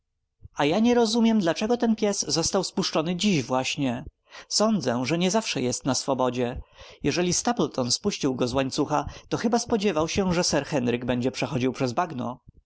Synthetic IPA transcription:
ajaɲɛɾɔzumʲjɛmd̪lat͡ʂɛɡɔt̪ɛnpʲjɛsːɔst̪awspuʂt͡ʂɔnɘd͡ʑiɕvwaɕɲɛ | sɔnd̪zɛʐɛɲɛzafʂɛjɛst̪nasfɔbɔd͡ʑɛjɛʐɛlʲist̪aplt̪ʰɔnspuɕt͡ɕiwɡɔzwaɲt̪suxat̪ɔxɘbaspɔd͡ʑɛvawɕɛʐɛsɛɾxɛnɾɘɡbɛɲd͡ʑɛpʂɛxɔd͡ʑiwpʂɛzbaɡnɔ̰

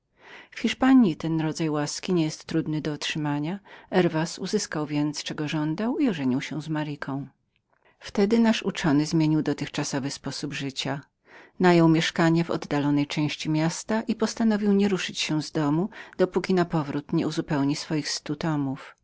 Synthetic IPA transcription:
fxʲiʂpaɲit̪ɛnɾɔd̪zajwaskʲiɲɛjɛst̪ːɾud̪nɘd̪ɔɔtʂɘmaɲaɛɾvasuzɘskawvʲjɛnt̪st͡ʂɛɡɔʐɔnd̪awiɔʐɛɲiwɕɛzmaɾikʰɔ̃w̃ | ft̪ɛd̪ɘnaʂut͡ʂɔnɘzmʲjeɲiwd̪ɔt̪ɘxt͡ʂasɔvɘspɔsubʐɘt͡ɕa | najɔwmʲjɛʂkaɲɛvɔ̰d̪ːalɔnɛjt͡ʂɛ̃w̃ɕt͡ɕimʲjast̪aʔipɔst̪anɔvʲiwɲɛɾuʂɘt͡ɕɕɛ̃zd̪ɔmud̪̥ɔpukʲinapɔvɾut̪ɲɛuzupɛwɲisfɔjixst̪ut̪ɔmuf

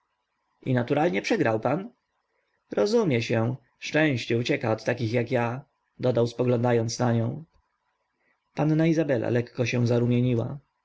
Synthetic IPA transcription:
ḭnat̪uɾalɲɛpʂɛɡɾawpan | ɾɔzumʲjɛɕɛ | ʂt͡ʂɛ̃w̃ɕt͡ɕɛut͡ɕɛkaɔt̪ːakʲixjakja | d̪ɔd̪awspɔɡlɔnd̪ajɔnt̪snaɲɔ̃w̃ | panːaizabɛlʔa̰lɛkːɔɕɛw̃zaɾumʲjeɲiwa̰

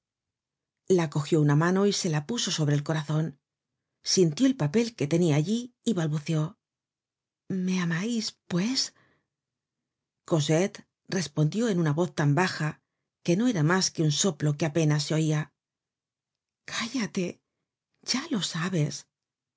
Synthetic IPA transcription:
lako̞xjo̞unamãno̞ise̞lapuso̞so̞βɾe̞lko̞ɾaθo̞n | sint̪jo̞e̞lpape̞lke̞t̪e̞niaːʎiːβalβuθjo̞ | me̞amajspwe̞s | ko̞set̪ | re̞spo̞nd̪jo̞e̞nunaβo̞θt̪ambaxa | ke̞no̞e̞ɾamaske̞unso̞plo̞keape̞nas̬eo̞ia | kʰaʝat̪e̞ | ɟ͡ʝalo̞saβe̞s

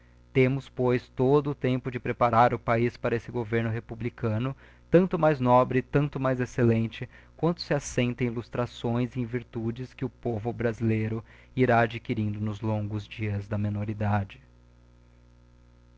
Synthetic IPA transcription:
t̪ẽmʊspojst̪od̪ʊːt̪ẽmpʊd͡ʒɪpɾepaɾaɾʊpaispaɾɐesɪɡoveɾnʊɦepublikɐ̃nʊ | t̪ɐ̃nt̪ʊmajznɔbɾɪt̪ɐ̃nt̪ʊmajzeselẽnt͡ʃɪkwɐ̃nt̪ʊ̥sɪasẽnt̪ɐ̃ilust̪ɾasõj̃zɪẽviɾt̪ud͡ʒɪskɪʊpovʊbɾazilejɾʊ | iɾaːd͡ʒikiɾĩnd̪ʊnʊzlõŋɡʊzd͡ʒiɐzd̪ɐmẽnoɾid̪ad͡ʒɪ

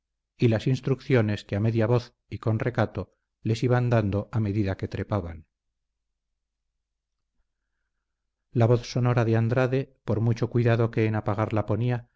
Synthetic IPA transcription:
ilasinst̪ɾukθjo̞ne̞skeame̞ðjaβo̞θ | iko̞nre̞kat̪o̞ | le̞siβand̪and̪o̞ʔame̞ðiðake̞t̪ɾe̞paβan | laβo̞θso̞no̞ɾaðeand̪ɾaðe̞po̞ɾmut͡ʃo̞kwiðaðo̞ke̞ːnapaɣ̞aɾlapo̞nia

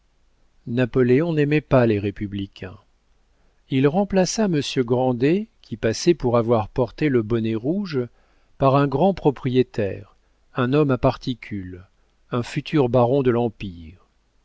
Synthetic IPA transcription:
napɔleɔ̃nɛmɛpaleʁepyblikʲʰɛ̃ | ilʁɑ̃plasaməsjøɡʁɑ̃d̪ekʲʰipasɛpuʁavwaʁpɔʁt̪eləbɔneʁuʒ | paʁɛ̃ɡʁɑ̃pχɔpχijet̪ɛːʁ | ɛ̃nɔmapaʁt̪ikʲʰyl | ɛ̃fyt̪ʰyʁbaʁɔ̃d̪əlɑ̃piːʁ

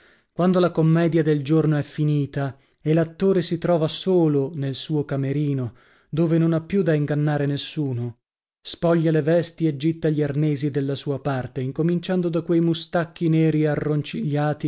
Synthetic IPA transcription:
kwand̪olakomːɛːd̪jad̪eld͡ʒornoɛfːiniːt̪a | elat̪ːoːɾesit̪ɾɔːvasoːlonelsuːokameɾiːno | d̪oːvenonapːjud̪aiŋɡanːaːɾenesːuːno | spɔʎːalevɛst̪ied͡ʒːit̪ːaʎiarneːzid̪elːasuːapart̪eiŋkomint͡ʃand̪od̪akwejmust̪akːineːɾiearːont͡ʃiʎːaːt̪i

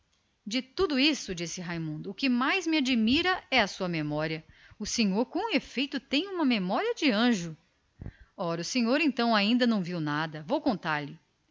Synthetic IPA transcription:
d͡ʒɪt̪ud̪ʊisʊd͡ʒisɪɦajmũnd̪ʊːkɪmajzmɪad͡ʒimiɾɐɛɐsuɐmemɔɾiɐ | ʊseɲoɾkõw̃efejt̪ʊt̪ẽj̃ũmɐmemɔɾiɐd͡ʒɪɐ̃ʒʊ | ɔɾɐʊsẽɲoɾẽnt̪ɐ̃w̃aĩnd̪ɐnɐ̃w̃viwnad̪ɐvowkõnt̪aɾlɪ

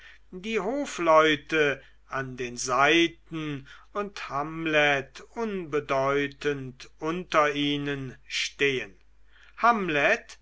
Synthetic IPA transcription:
diːɦoːflɔʏtə | ʔandeːnzaɪtn̩ʊnthamlɛtʊnbədɔʏtəntʔʊntɐiːnənʃteːən | hamlɛt

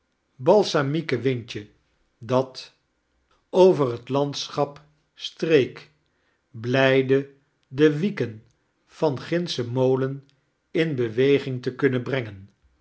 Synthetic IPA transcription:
bɑlˠsamikəʋɪɲt͡ʃə | dɑt | owvərɦətlɑntsχɑp | strejk | blɛjdə | dəʋikən | v̥ɑnχɪnsəmowlən | ɪnbəʋejχɪŋtəkɵnəbrɛŋən

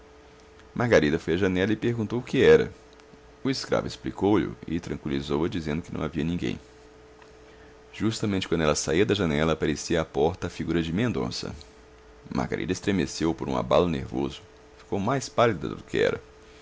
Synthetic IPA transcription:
mʔahɡaɾid̪ɐfojɐʒɐnɛlɐɪpeɾɡũt̪owʊkɪɛɾɐ̰ | ʊiskɾa̰vʊɪsplikowʎʊ̰ɪt̪ɾɐ̃kwilizowɐd͡ʒizẽnd̪ʊkɪnɐ̰̃w̃aviɐnĩɡḛ̃j̃ | ʒ̥ust̪ɐmẽnt͡ʃɪkwɐ̃d̪ʊɛlɐsaiɐd̪ɐʒɐnɛlɐːpaɾesiɐːpɔɾt̪ɐːfiɡuɾɐd͡ʒɪmẽnd̪õ̰sɐ̰ | mʔa̰hɡa̰ɾʔḭd̪ɐest̪ɾemesewpoɾṵ̃a̰balʊnḛɾvozʊ | fi̥kowmajspalid̪ɐ̰d̪ʊkɪɛ̰ɾɐ

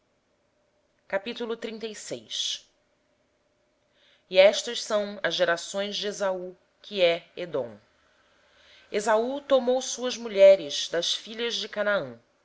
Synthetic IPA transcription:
kapit̪ulʊt̪ɾĩnt̪ejsejs | iɛʃt̪ɐʃsɐ̃w̃ɐzʒeɾasõj̃zd͡ʒɪezau | kʰɪɛed̪õ̰w̃ | ezaut̪omowsuɐzmuʎɛɾɪz̥d̪ɐʃfiʎɐʒd͡ʒɪkanaɐ̃

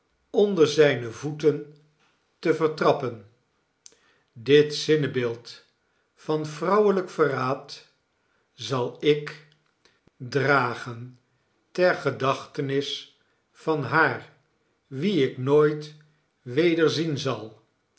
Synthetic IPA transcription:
ɔndəɹzɛjnəvutən | təvəɹtrɑpən | dɪtsɪnəbɪːlˠt | fɑnfrʌwələkfəraːt | zɑlˠɪk | draːχən | tɛɹχədɑχtənɪs | fɑnɦaːɹ | ʋiɪknoːjt | ʋejdəɹzinzɑlˠ

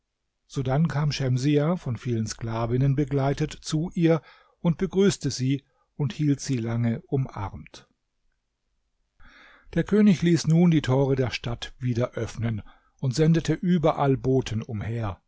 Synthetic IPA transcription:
z̥oːdankʰaːmʃɛmziafɔnfiːlənskl̥aːvɪnənbəɡlaɪtətt͡suʔiːɐ | ʔʊnt̚b̥əɡʁyːstəziː | ʊnthiːltz̥iːlaŋəʔʊmʔa̰ʁɐmt | d̥eːɐkʰøːnɪçliːsnuːndiːtʰoːʁ̞ədeːɐʃtatv̥iːdɐʔœfnən | ʔʊntz̥ɛndətʰəʔyːbɐʔalboːtʰən̩ʊmheːɐ

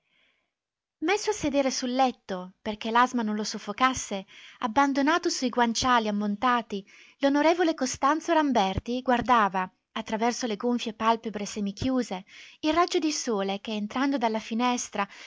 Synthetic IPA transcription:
mesːoasːed̪eːɾesulːɛt̪ːoperk̟elazmanõnlosofːokasːeabːand̪onaːt̪osuiɡwant͡ʃaːliamːont̪aːt̪i | lonoɾeːvolekost̪ant̪soɾambɛrt̪iɡward̪aːva | at̪ːɾavɛrsoleɡoɱfjepalpebɾesɛmikjuːzeilrad͡ʒːod̪isoːlekeːnt̪ɾand̪od̪alːafinɛst̪ɾa

